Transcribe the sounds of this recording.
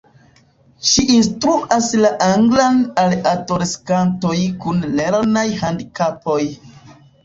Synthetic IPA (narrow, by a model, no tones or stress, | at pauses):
ʃiʔinstɾuʔaslaʔaŋɡlanaladoɾeskanto̞jkunleɾnajhandikapo̞j